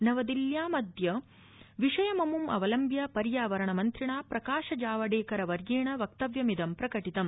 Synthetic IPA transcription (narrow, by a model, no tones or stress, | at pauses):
nɐʋɐd̪iljaːmɐd̪jɐ | ʋiʂɐjɐmɐmumʔɐ̰ʋɐlɐmbjapɐɾjaːʋɐɾɐɳɐmɐnt̪ɾiɳaːpɾɐkaːʂɐd͡ʒaːʋɐɖeːkɐɾɐʋɐɾɡeːɳɐʋɐk̚t̪ɐʋjɐmid̪ɐmpɾɐkɐʈit̪ɐm